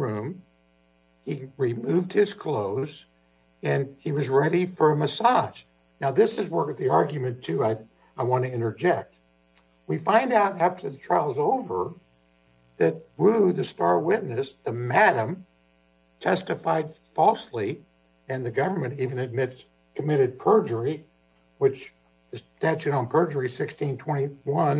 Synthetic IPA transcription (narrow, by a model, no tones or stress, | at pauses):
ɹʉ̃m | iɹimʉvd̚hɪz̥kʰl̥oʊz | ɨ̃niwʌzɹɛɾifə˞əmɨsɑʒ̥ | naʊðɪsɨzwɜ˞kɨt̪̚ðiɑɹɡjɨmɨ̃ntʰʉaɪ | aɪwɑ̃ntɨɪ̃ɾ̃ə˞d͡ʒɛk̚t̚ | wifãɪ̃ndaʊɾæftʰə˞ðɨtʰɹ̥aɪlˠzoʊvə˞ | ðɨt̚wʉðɨstɑɹwɪtⁿnɨsðɨmæɾɨ̃m | tʰɛstɨfaɪd̥fɔlˠsli | ɨ̃nðɨɡʌvə˞mɨ̃ñtivɨ̃nɨd̚mɪts | kʰəmɪɾɨd̚pʰɜ˞d͡ʒə˞i | wɨt͡ʃ | ðɨtæt͡ʃɨɾn̩pʰɜ˞d͡ʒə˞isɪkstʰĩntʰw̥ɛ̃ɾ̃iwʌ̃n